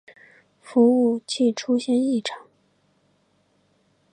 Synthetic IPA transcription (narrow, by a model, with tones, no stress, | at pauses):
fu˧˥u˥˧t͡ɕʰi˥˩ʈ͡ʂʰu˥ɕjɛ˥˧ni˥˩ʈ͡ʂʰɑ˨˧˩ŋ